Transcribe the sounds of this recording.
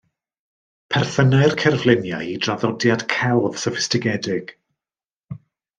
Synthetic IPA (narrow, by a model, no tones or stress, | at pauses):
pʰɛrθənajrkʰɛrvlˠɪnja̰jidraðɔdjad̥kʰɛlˠv̥sɔfɪ̥stɪɡɛdɪɡ̥